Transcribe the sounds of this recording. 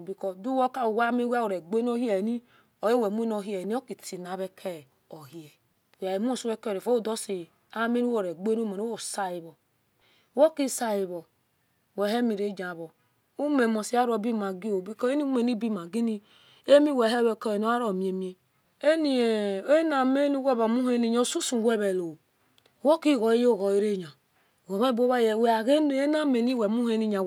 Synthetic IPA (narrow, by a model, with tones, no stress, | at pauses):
bi˨kɔ˦du˦wo˦ka˦˨wa˦me˦wa˦wo˨ɾe˨ɡ͡be˦n˦o˦hi˦e˨ni˦ | o˨je˦we˨mu˦e˦no˦˨ɦi˦e˨ni˦o˦ki˨ti˨na˨˦βe˦kʰe˦˨ | o˨hi˦e˨ | a˨e˨mu˦o˦˨su˦we˦kɾe˨fo˦o˦do˦si˨ | a˦me˦nu˦wo˦˨ɾe˨ɡ͡be˦nu˦me˨no˦o˦˨sa˦i˨βo˨˦ | wo˦ki˦sa˨ji˨βo˨ | we˨ɦe˦mi˨ɾe˨˦d͡ʒa˨βo˨ | u˦me˨mo˨si˨˦a˦ɾo˨bi˦ma˨ɡi˦o˨bi˦ko˦e˦ni˦me˨ni˦bi˦ma˨ɡi˦ni˦ | e˦mi˦we˨ɦe˦we˨ko˦e˨no˦a˦ɾo˨mi˨˦e˨mi˦e˦ | e˦ni˨e˨e˦na˨me˦ni˦we˦βa˨mu˦he˦ni˦ɲa˨˦˨su˦su˨wʷe˦βe˨lo˨ | wo˦ki˦˨ɣɔ˨i˦jo˦˨ɣo˨i˦ɾe˦˨ɲa˨ | we˨βe˦bo˦βa˦je˨we˨a˨ɣe˦n˨˦e˦na˦me˨ni˦we˨mu˦he˦ni˦ɲa˨